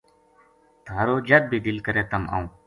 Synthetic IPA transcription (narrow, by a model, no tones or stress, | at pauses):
t̪ʰaːɾoːd͡ʒət̪̚bʱiːd̪ɪlkəɾeːt̪əma̰ːũː